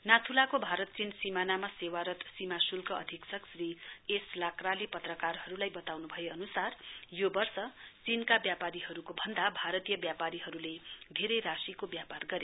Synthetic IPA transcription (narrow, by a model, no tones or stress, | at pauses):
nat̪ʰulakobʱaɾʌt̪̚t͡sinsimanamasewaɾʌt̪simasulkʌʌ̰d̪ʱiksʌksrieslakralepʌt̪rʌkarhʌɾulajbʌt̪awnubʱʌjeʌnusarjobʌrsʌt͡sinkabjapaɾiɦʌɾukobʱʌnd̪abʱaɾʌt̪ijʌbjapaɾiɦʌɾuled̪ʱeɾʌjrasikobjaparɡʌɾe